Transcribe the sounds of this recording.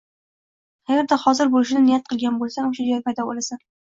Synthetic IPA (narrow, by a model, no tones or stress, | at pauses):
aɡʲaɾd̪aχɒzɪɾbolɪʃɪnɪnɪjat̪̚qʰɨlˠɡʲanbolˠsanʊʃad͡ʒaɾpʰajd̪ɒbolasan